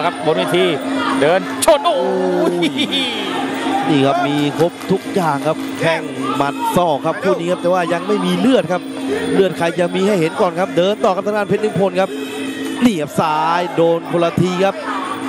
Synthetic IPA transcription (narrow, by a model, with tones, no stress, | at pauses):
kʰa˦˥p̚bo˧nweː˧˩t̪ʰiː˧dɤː˧nt͡ɕʰo˧˩nʔo˧ | niː˧˥˩kʰa˦˥p̚miː˧kʰo˦˥p̚t̪ʰu˦˥k̚jaː˨˩ŋkʰa˦˥p̚kʰɛ˥˩ŋma˨˩t̪̚sɔː˥˩kʰa˦˥p̚pʰːuː˥˩niː˦˥kʰa˦˥p̚t̪ɛː˨˩waː˥˩ja˧ŋma˥˩jmiː˧lɯ˥˩ət̪̚kʰa˦˥p̚lɯ˥˩ət̪̚kʰa˧jt͡ɕa˨˩miː˧ha˥˩jɦe˩˦nkɔː˨˩nkʰa˦˥p̚dɤː˧nt̪ɔː˨˩kʰa˦˥t̪ʰa˥ŋaː˧npʰe˦˥t̪̚ːɯ˥˩ŋpʰo˧nkʰp̚ | niː˧˩a˥˩p̚saː˨˩˦jdoː˧npʰo˧la˧t̪ʰiː˧kʰa˦˥p̚